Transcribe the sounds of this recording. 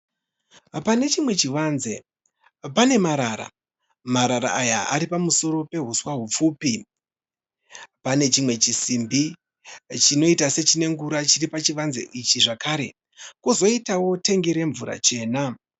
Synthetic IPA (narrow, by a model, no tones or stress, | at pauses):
pane̞t͡ʃimwe̞t͡ʃiʋanzḛ | pane̞maɾaɾa̰ | maɾaɾa̰ajaaɾipamuso̞ɾo̞pe̞ɦuswaɦup͡fuːpi | pane̞t͡ʃimwe̞t͡ʃisimbi | t͡ʃino̞itase̞t͡ʃine̞ŋɡuɾat͡ʃiripat͡ʃiʋanzḛʔit͡ʃiʐakaːɾe̞ | kuzo̞itawo̞te̞ŋɡeɾe̞ɱvuɾa̰t͡ʃe̞ːna